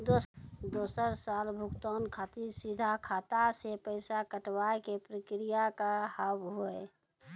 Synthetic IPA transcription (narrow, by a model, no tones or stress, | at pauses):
d̪od̪oːsəɾsaːlbʱʊkt̪ɔːnkʰaːt̪iɾsɪd̪ʱakʰaːt̪asepəɪsakəʈwaekepɾəkɾijakahəbɦoe